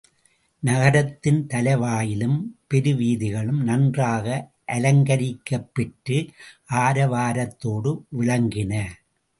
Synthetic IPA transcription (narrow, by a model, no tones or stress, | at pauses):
nɐɣɐɾɐt̪ːɪnt̪ɐlɐɪʋaːjɪlɯmpɛɾɯʋiːðɪɣɐɭɯmnɐndraːɣɐ | ʔɐlɐŋɡɐɾɪkːɐpːɛʈrɯʔaːɾɐʋaːɾɐt̪ːoːɽɯʋɪɻɐŋɡɪnɐ